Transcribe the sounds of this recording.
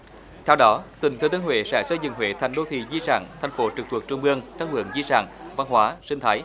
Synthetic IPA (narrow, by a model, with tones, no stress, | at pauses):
t̪ʰɛ˧wɗɔ˨˦t̪ï˨˩ŋ̟t̪ʰɨ˨˧˩t̪i˧˨˦nhwḛ˧˨sɛ̰ː˧˥sə˧jzɨ̰˧˨ŋwḛ˧˨t̪ʰa˨˩jŋ̟ɗo˧t̪ʰḭ˧˨zi˧sa̰ː˧˩ŋt̪ʰa˨˩jŋ̟fo˨˦t͡ɕɨ˨˩k̚t̪wək̚t͡ɕʊ˧ŋ͡mɓɨ˧əŋt̪aː˦˥k̚wɨ̰˧˩əŋzi˧sa̰ː˧˩ŋva˧nɦwaː˨˦sï˧ŋ̟t̪ʰaː˨˦j